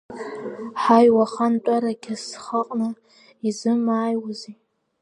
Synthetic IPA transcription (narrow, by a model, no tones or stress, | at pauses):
ħajwaχantʷʼaɾakʲʰasχaqʼnɨ | izɨmaːjwazi